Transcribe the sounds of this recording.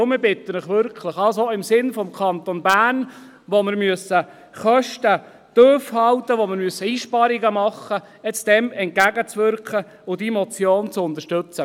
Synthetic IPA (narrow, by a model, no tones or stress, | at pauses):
mɪɾbɪt̪ːənəχʋʏɾkʰləχɑls̬oɪmsɪnfɔmkʰɑnt̪ɔnbæːrn | ʋomɪɾmyəsːə | χœʃtə | d̪̥øːfhɑlt̪əʋomɪɾmyəsːəiːʃpɑɾiɡəmɑχːə | ɛt͡sd̥̪ɛmɛnt̚ɡæɡət͡sʋʏɾkχə | ʊd̥̪iːmɔt͡sjoːnt͡sʊnd̪əʃtɵt͡sə